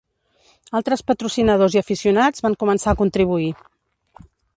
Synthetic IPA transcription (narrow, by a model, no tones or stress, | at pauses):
alˠt̪ɾəspət̪ɾusinəðoziəfisiunad͡zβaŋkumənsaəkunt̪ɾiβ̞ui